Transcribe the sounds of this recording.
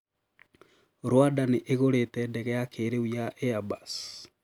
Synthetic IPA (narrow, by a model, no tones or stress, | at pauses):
ɾwadaneʔeɣoɾetɛdɛɣɛjakʰeɾeijaʔeabas